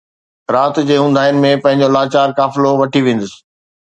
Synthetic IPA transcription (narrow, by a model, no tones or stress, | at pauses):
ɾaːt̪d͡ʑeːɦũːn̆d̪aːɪnɪ̆mẽpɐ̃ɦɪ̃ɲ̆d͡ʑolaːt͡ɕaːɾkaːfɪloʋɐʈʰiʋẽːn̆d̪əsɪ̥̆